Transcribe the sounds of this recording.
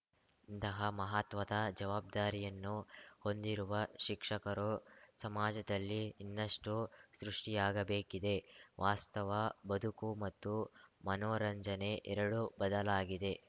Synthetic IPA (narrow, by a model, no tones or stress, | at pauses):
int̪ɐɦɐmɐɦaːt̪ʋɐd̪ɐd͡ʒɐʋaːb̚d̪aːɾijɐnːuho̞nd̪iɾuʋɐʃikʂɐkɐɾusɐmaːd͡ʒɐd̪ɐlːiːnːɐʂʈusɾuʂʈijaːɡɐbeːkid̪e̞ʋʔaːst̪ɐʋɐbɐd̪ʱukumɐt̪ːumɐnoːɾɐɲd͡ʒɐne̞ʔɛɾɐɽubɐd̪ɐlaːɡid̪e̞